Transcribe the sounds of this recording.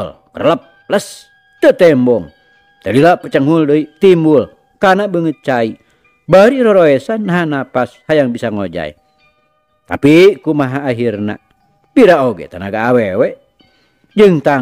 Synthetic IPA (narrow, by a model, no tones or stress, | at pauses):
lkə̰rləp̚ | ləs | t̪ət̪ɛmbɔŋ | t̪əlilapət͡ʃəŋɦuldəit̪imbul | kanabəŋət̪̚t͡ʃai | baɾiɾɔɾoɛsanːaɦanapashajaŋbisaŋod͡ʒa̰ḭ | t̪a̰pikumaɦaːɦirna̰ | biɾaoɡɛ̰t̪ana̰ɡaːwewɛ | d͡ʒɨŋt̪a